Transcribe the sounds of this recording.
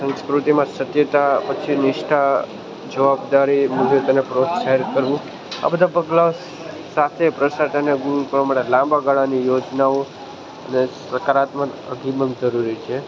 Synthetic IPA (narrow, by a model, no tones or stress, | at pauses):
sə̃nskɾut̪imãsət̪jət̪apət͡ʃʰinɪʃʈʰa | d͡ʒəʋabd̪aɾimulet̪ənepɾot̪ʃaɦeɾkəɾʋũ | a̰bəd̪ʱapəɡlao | sat̪ʰepɾəsaʈʰeneɡũkəʋamaʈelãmbaɡaɭãnijod͡ʒnao | ə̰nesəkaɾat̪mənə̰ɡiməmd͡ʒəɾuɾit͡ʃʰe